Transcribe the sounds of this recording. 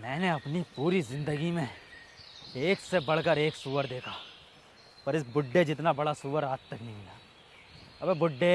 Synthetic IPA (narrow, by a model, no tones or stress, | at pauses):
mɛ̃ːneɐpnipuːɾizɪ̃nd̪əɡimẽ | eːksebɐɽ̤kəɾeːksuːʋəɾd̪eːkʰaː | pɐɾɪsbʊɖːed͡ʒɪt̪̬nabɐɽasuːʋəɾaːd̪t̪ɐknɐɦĩmɪjaː | ɐbebʊɖːe